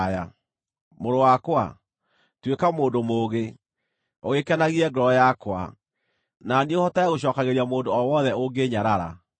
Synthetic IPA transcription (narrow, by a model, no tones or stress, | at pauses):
ja̰ | moɾowakwa̰ | twekamoːndomoːɣe | oɣekɛnaɣiɛɡɔɾɔjakwa̰ | naniohɔtaaɣoɕ̬ɔːkaɣeɾiamoːndoɔwɔðɛoɡeɲaɾaɾa̰